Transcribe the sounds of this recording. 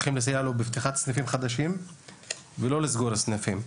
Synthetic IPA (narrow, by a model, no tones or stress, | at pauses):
χimles̬ajalobeft̪iχat̪snafimχad̪aʃim | velo̞lizɡoɾasnafim